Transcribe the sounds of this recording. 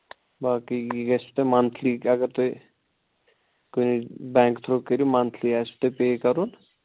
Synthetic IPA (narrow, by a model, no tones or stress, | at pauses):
baːkiɡɛst̪emɐnt̪ʰlikɐɡəɾt̪oi | konibɛ̃ːŋkt̪ʰɾoːkeɾiumɐ̃nt̪ʰliaːst̪epeːkɐɾuːn